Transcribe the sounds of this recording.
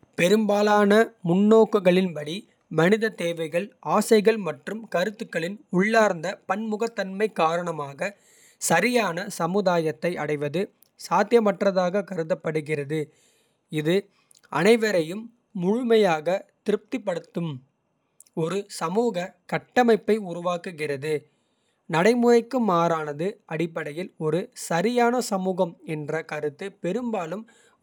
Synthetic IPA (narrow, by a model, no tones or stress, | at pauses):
pɛɾɯmbaːlaːnɐmʊnːoːkɯɣɐɭɪnpɐɽi | mɐnɪðɐt̪eːʋɐɪɣɐɭaːsɐɪɣɐɭmɐʈrɯmkɐɾɯt̪ːɯkːɐɭɪnʊɭːaːɾnd̪ɐpɐnmʊɣɐt̪ːɐnmɐɪkːaːɾɐɳɐmaːɣɐ | sɐɾɪjaːnɐsɐmɯðaːjɐt̪ːɐɪɐɽɐɪʋɐðɯ | saːt̪jɐmɐʈrɐðaːɣɐkɐɾɯðɐpːɐɽɯɣɪrɐðɯ | ɪðɯ | ɐ̰nɐɪʋɐɾɐjɯmː | ʊɻʊmɐjaːɣɐt̪ɪɾɯp̚t̪ɪpːɐɽɯt̪ːɯm | ɔɾɯsɐmuːɣɐkɐʈːɐmɐɪpːɐɪʊɾʊʋaːkɯɣɪrɐðɯ | nɐɽɐɪmʊɾɐɪkːɯmːaːɾaːnɐðɯɐɽɪpːɐɽɐjɪlɔɾɯsɐɾɪjaːnɐsɐmuːɣɐmɛndrɐkɐɾɯt̪ːɯpɛɾɯmbaːlɯm